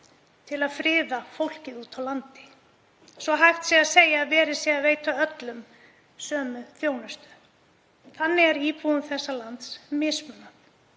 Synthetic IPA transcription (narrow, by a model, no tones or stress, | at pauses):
t̪ʰɪlaðfɾɪːðafowl̥cɪðuːt̪ʰawlant̪ɪ̥ | svɔɦajft̪siɣaðseːjaːðvɛːɾɪ̥sɛɣaveːjt̪aœt̪lʏm | sœːmʏθjoːwnʏst̪ʏ̥ | θanːɪɛɾiːpuʏmθɛsːalant̪smɪːsmʏna